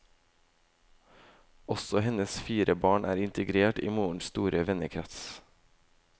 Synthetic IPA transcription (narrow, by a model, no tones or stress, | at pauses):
ɔsɔhɛnəsfiːɾəbɑːɳʔæ̰ːɾɪnt̪əɡɾeːʈḭːmuːɳ̩st̪uːɾʔəʋɛnəkʰɾɛt̪s